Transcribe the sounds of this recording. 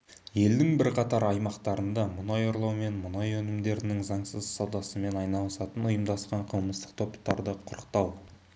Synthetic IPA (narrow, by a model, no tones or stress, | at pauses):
je̞ld̪ɪŋbɪɾqʰɑt̪ɑɾɑjmɑqt̪ɑɾənd̪ɑmʊnɑjo̞ɾlˠɑwme̞nmʊnɑjɵnɪmd̪e̞ɾɪnɪŋzɑɴsəzsowd̪ɑsəme̞nɑjnɑlˠəsɑt̪ənʊjəmd̪ɑsqɑɴqʰəlˠməst̪ə̥q̚t̪ʰo̞pt̪ːɑɾd̪əqʰʊɾəqt̪ɑw